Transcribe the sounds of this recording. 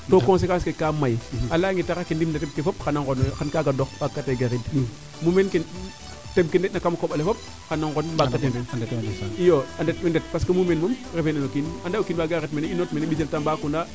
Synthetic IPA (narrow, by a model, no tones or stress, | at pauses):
tokoŋs̬ekaskekːamajalaŋɡitaɾakendimndɐteb̚kefop̚xanaŋonxankaɡadoxbakːateɡaɾid | mumenken | tebkendetnakamkoɓalefop̚ | xanːaŋɡonbakːatee | ijoandet̚mendet̚paskemumenmumɾefenanokinandaokinbaɡaɾidmeneinotmeneɓis̬eltambaːkunda